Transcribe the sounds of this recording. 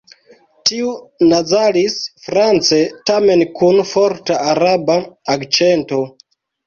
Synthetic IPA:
tiunad͡zalisfɾant͡se̞tame̞nkunfoɾtaaɾabaakt͡ʃento̞

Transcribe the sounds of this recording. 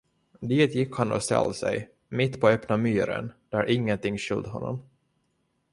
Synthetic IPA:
d̪iːt̪jɪkːhanːɔ̰st̪ɛ̰lːsɛ̰j | mɪt̪ːpʰɔœpnamyːɾə̰nd̪̥æɾʔɪŋːənt̪ɪŋːɕʏld̪ɦɔnːɔ̰m

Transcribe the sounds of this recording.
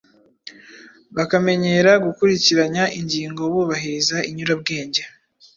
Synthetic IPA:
βakame̞ɲe̞ɾaɡukuɾiciɾaɲaʔiɲɟiːŋɡo̞βuːβaɦezaiɲuɾab̚ɡe̞ːɲɟe

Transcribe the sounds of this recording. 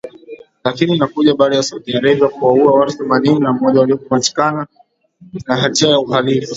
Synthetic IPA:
lakininakuʄaɓaɗajasautiaɾɛvakuwauawatuθɛmanininam̩ɔʄawaliɔkumat͡ʃi̥kana | naɦatiajauɦalifu

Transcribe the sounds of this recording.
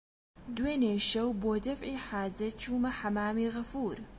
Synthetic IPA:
d̪weːneːʃɐwboːd̪ɐfʕiːħaːzɐt͡ʃuːmɐħɐmaːmiːɣɐfuːɾ

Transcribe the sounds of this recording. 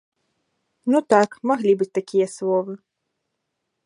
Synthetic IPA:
nut̪akmaɣlʲibɨt͡sʲt̪akʲijɐslˠɔvɨ

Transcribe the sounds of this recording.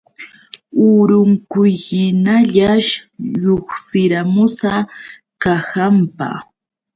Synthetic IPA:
ʊɾʊŋkʊjhɪnaʎaʃʎoχsɪɾamʊsa | kahampa̰

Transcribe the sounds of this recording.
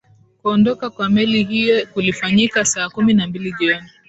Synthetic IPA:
kuɔndɔkakwamɛlihijɔkulifaɲikasaːkuminambiliʄiɔni

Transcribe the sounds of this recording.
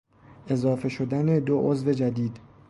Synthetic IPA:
e̞zɒːfe̞ʃo̞d̪æne̞d̪oʔozve̞d͡ʒæd̪iːd̪

